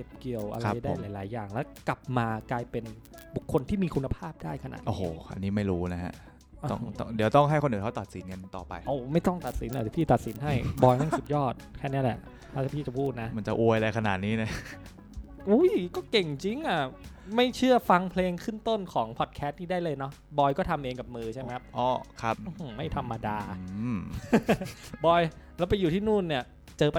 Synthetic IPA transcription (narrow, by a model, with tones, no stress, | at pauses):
ke˨˩p̚ki˨˩əwʔa̰˧ɾaa˧˦˩a˧da˥˦˩laː˨˦jlaː˨˩˦jːaː˨˩ŋlɛː˦˥ka˨˩p̚maː˧klaː˧jpe˧n | bu˨˩kʰːo˧nt̪ʰiː˥˩miː˧kʰu˧nːa˧pʰaː˥˩p̚daː˥˩jkʰa˧na̰˨˩t̪̚ʔoː˦˧ho̰ː˨˩ʔa̰˧niː˦˥ma˥˩jɾuː˦˥na˦˥ha̰˦˥ | ʔt̪ɔ̰˥˩ŋt̪ɔ̰˥˩di˨˩˦wt̪ɔ˥˩ŋɦa˥˩jkʰo˧nʔɯː˨˩kʰa˦˥t̪ɔː˨˩t̪̚si˩˦nŋa˧nt̪ɔː˨˩pa̰˧jʔo˧˩ma˥˩jt̪ɔ˥˩ŋt̪a˨˩t̪̚si˩˦nla˧˩˨pʰiː˥˩t̪a˨˩t̪̚si˩˦nɦa˥˩jbɔː˧jna˥˩su˨˩t̪̚jɔː˥˩t̪̚kʰɛː˥˩ni˦˥ɐlɛ˨˧˩ | ɔː˥˩tʰa˥˩pʰiː˥˩t͡ɕa˨˩pʰuː˥˩t̪̚na˦˥ma˧˦nt͡ɕa˨˩ʔu˧jla˧jkʰa˧na̰˨˩t̪̚niː˦˥na˦˥ | ʔuː˦˥jkɔː˥˩ke˨˩ŋt͡ɕi˧ŋʔa˨˩ | ma˥˩jt͡ɕʰɯ˥˩ɐfa˧ŋpʰleː˧ŋkʰɯ˥˩ŋt̪o˥˩nkʰɔː˩˦ŋpʰɔ˨˩t̪̚kʰɛː˦˥t̪̚niː˥˩daː˥˩jlɤː˧jnɔ˦˥ | bɔː˧jkɔː˥˩t̪ʰa˧mʔeː˧ŋka˨˩p̚mɯː˧t͡ɕʰa˥˩jme˦˥kʰa˥p̚ʔɔː˧˥˩kʰa˦˥p̚ɯ˧˩ma˥˩jt̪ʰa˧mːa˧daː˧ɯ˧ | bɔː˧jlɛː˦˥wpa˧jːuː˨˩t̪ʰiː˥˩nuː˥˩nni˥˩ɐ | t͡ɕɤː˧p